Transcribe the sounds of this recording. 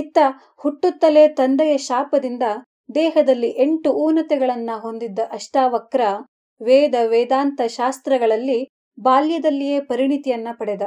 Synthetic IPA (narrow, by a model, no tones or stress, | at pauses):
it̪ːɐ | huʈːut̪ːɐlet̪ɐnd̪ɛjɐʃaːpɐd̪ind̪ɐ | d̪ɛːɦɐd̪ɐlːiʔeɳʈuuːnɐt̪ɛɡɐɭɐnːɐɦo̞nd̪id̪ːɐʔɐʂʈaːʋɐkɾɐ | ʋɛːd̪ɐʋɛːd̪aːnt̪ɐʃaːst̪ɾɐɡɐɭɐlːi | baːljɐd̪ɐlːije̞ːpɐɾiɳit̪ijɐnːɐpɐɽɛd̪ɐ